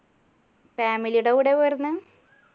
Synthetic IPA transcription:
faːmilijuɽeʋiɽeʋornːɨ

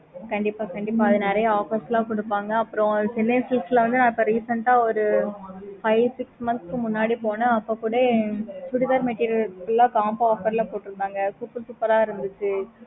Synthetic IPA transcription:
kɐɳɖɪpːaːkɐɳɖɪp̬ːaːɐðɯnɛɾɐjɐaːfɐsɪlaːkɔɽɯpːaːŋɡɐːpːɯɾɔ̃sɪlːɐsɪsɐlɐʋɐnd̪ɯnãːɪpːɐɾiːsɐɳʈaːɔɾɯ | fɐɪʋsɪksmɐnskɯmʊnːaːɽipoːnɐɐpːokuːɽesʊɽɪðaːɾmeʈːiːɾɪkɪlːaːkaːmpaːfɐɾlapoːʈːɯɾɯnd̪aːŋɡɐkʊpːɪlsupːɐɾaːɪɾɯnd̪ɯt͡ʃːɯ

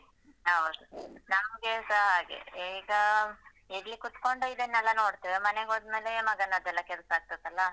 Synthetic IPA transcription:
awd̪unaːmɡesaɦaːɡḛiːɡɐ | eɾlikut̪ko̞ɳɖuid̪enːɛlːɐno̞ːɽt̪iʋemɐneɡɦoːd̪meːlemɐɡɐnɐd̪ɛlːɐkɛlsɐaːɡ̚t̪ɐt̪ɐlːɐ

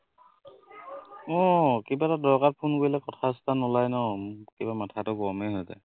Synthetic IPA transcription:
ɔkebatadɔɹkaɹpʰunkoilɛkɔtʰastʰanɔlajnɔkebamatʰatʊɡɔmɛɦɔjta̰

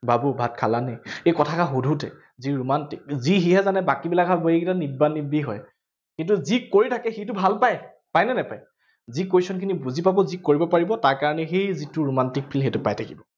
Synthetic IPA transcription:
babubʱat̚kʰalanɛejkɔtʰakaxodʱutɛ | ziɹomantik̚ziɦiɦɛzanɛbakibilakɦabojekitanibanːibiɦɔj | kint̬uzikoɹitʰakɛxitʊbʱalpaj | pajnɛnɛpaj | zikojsɔnkʰinibuzipabɔzikoɹibɔpaɹibɔtaɹkaɹɔnɛxejzitʊɹomantik̚pʰilɦetʊpajtʰakibɔ

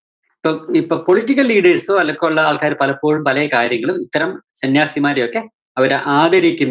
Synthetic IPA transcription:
ipːoːipːoːpoɭitːikːɐlːiːɽɐrsoɐlːɐkːouɭːɐaːɭkaːɾɨpɐlɐpːoːɻumpɐlɐjɐkaːɾjɐŋːɐɭumit̪ːɐɾɐmsɐnjaːsimaːɾɐjokːe̞ | ɐʋɐɾeʔaːd̪ɐɾikʲːunː

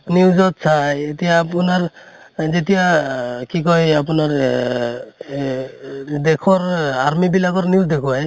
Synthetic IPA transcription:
niwzɔt̪sʰajet̪ijaːpunaɹ | zet̪ijakikɔjap̬unaɹ | d̪ekʰɔɹaɾmibilakɔɾniwzd̪ekʰuaj

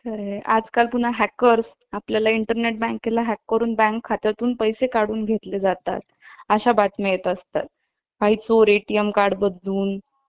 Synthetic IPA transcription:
kʰəɾea̰d͡zkalpuɳ̤aɦækəɾs | apljalaiɳʈəɾneʈ̚bɛ̃ŋkːelaɦækːəɾuːnbæ̃ŋkʰːat̪ɾat̪uːnpəjsekaɽuːnɡʱet̪led͡zat̪a̰t̪̚ | əɕabat̪mejet̪əst̪a̰t̪̚ | ʋaɦit͡soɾeʈijəmkaɾɽbəd̪luːn

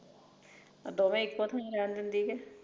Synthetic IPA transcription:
d̪oːmẽːɪkpõːt̪ʰãɾɛːnd̪ɪnd̪iːkɛː

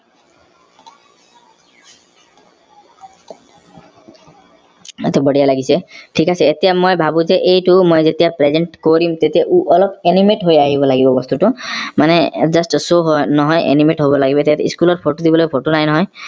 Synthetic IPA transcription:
et̪ebɔɽijalaɡisʰeʈʰikasʰeet̪ijamojbʱabũzeʔejʈumojzet̪ijapɾezeɳʈkoɾimt̪et̪ijaʔuɔlɔpenimeʈɦojaɦibɔlaɡibɔbɔst̪uʈumaned͡ʒɔsʈsoɦɔnɔɦɔjʔḛnimeʈɦobɔlaɡibet̪ijat̪iskulɔɾpʰoʈod̪ibɔlopʰoʈonajnɔɦɔj

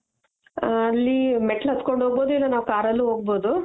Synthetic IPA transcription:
ɐlːimeʈɐlɦɐt̪koɳɖɦoːɡ̚boːd̪uilːɐnaːʋukaːɾɐlːuɦoːɡ̚boːd̪u

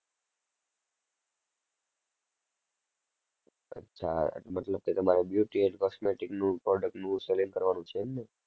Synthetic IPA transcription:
ə̰tːʃʰa̰ḛʈmət̪ləb̚ket̪əmaɾebjuʈieʈkɔsmeʈiknũpɾɔɖək̚ʈnũseliŋkəɾʋanũt͡ʃʰeːmne

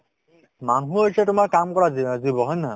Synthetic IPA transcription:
manɦũɦojsɛtʊmaɹkamkɔɹazizibɔɦɔjna

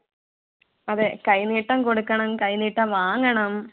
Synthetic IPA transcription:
ɐðekɐjniːʈːɐmko̞ɽukːɐɳɐmkɐjniːʈːɐmʋaːŋːɐɳɐm

